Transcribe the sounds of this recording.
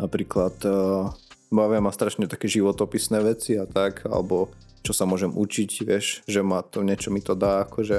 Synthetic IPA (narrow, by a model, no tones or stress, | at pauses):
napɾiːklat̪ | baʋɪamast̪ɾaʃɲɛt̪akɛʒiʋɔt̪ɔpisnɛːʋɛt͡siat̪akʰa̰lɛ̰bɔ | t͡ʃɔsamʊɔʒɛmṵt͡ʃicʋɪɛʃʒɛmat̪ɔɲɪɛt͡ʃɔmit̪ɔd̪aakɔʒɛ